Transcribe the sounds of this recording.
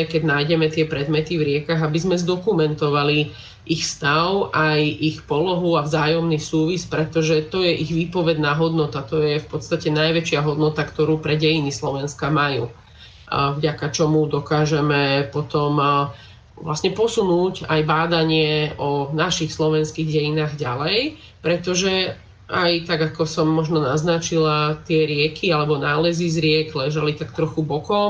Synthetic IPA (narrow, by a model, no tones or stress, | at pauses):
ɛkɛɟnajɟɛmɛt̪ɪɛpɾɛd̪mɛt̪ivɾɪɛkaɣabizmɛzd̪ɔkumɛnt̪ɔʋali | ʔixfst̪aʊʔajʔixpɔlɔɦuavzaːjɔmnisuːʋispɾɛt̪ɔʒɛt̪ɔjɛʔiɣʋiːpɔʋɛɟnaɦɔd̪nɔt̪at̪ɔjɛfpɔt̪st̪acɛnajʋɛt͡ʃɪaɦɔd̪nɔt̪akt̪ɔɾuːpɾɛɟɛjinislɔʋɛnskamajṵː | vɟakat͡ʃɔmud̪ɔkaːʒɛmɛpɔt̪ɔm | ʋla̰sɲɛpɔsunuːcajbaːd̪aɲɪɛɔnaʃixslɔʋɛnskiɣɟɛjinaːɣɟalɛj | pɾɛt̪ɔʒɛ | ʔajt̪aɡakɔsɔmːɔʒnɔnaznat͡ʃilat̪ɪɛɾɪɛkʰialɛbɔnaːlɛzizɾɪɛɡlɛʒalit̪akt̪ɾɔxubɔkɔʊ